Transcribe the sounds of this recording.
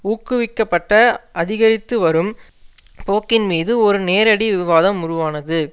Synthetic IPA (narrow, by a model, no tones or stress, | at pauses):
uːkːɯʋɪkːɐpːɐʈːɐʔɐðɪɣɐɾɪt̪ːɯʋɐɾɯm | poːkːɪnmiːðɯɔɾɯneːɾɐɽiʋɪʋaːðɐmʊɾʊʋaːnɐðɯ